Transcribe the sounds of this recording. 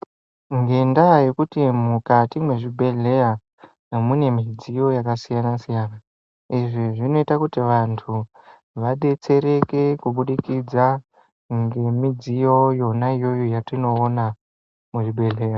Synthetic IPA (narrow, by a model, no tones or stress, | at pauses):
ŋɡe̞ndaje̞kutimukatimwe̞ʐibʱe̞ɮe̞ja | mune̞mid͡zijo̞jakasijanasijaːna | iʐiʐino̞itakutiʋantʰu | ʋaɗe̞t͡se̞ɾe̞ke̞kuɓuɗikid͡za | ŋɡe̞mid͡zijo̞jo̞naijo̞jojatino̞ːna | muʐibʱe̞ɮe̞ːja